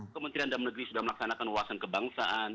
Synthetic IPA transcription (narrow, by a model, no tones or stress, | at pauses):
kəmənt̪ɾiandamnəɡəɾisudahməlaksanakanwaasankəbaŋsaʔan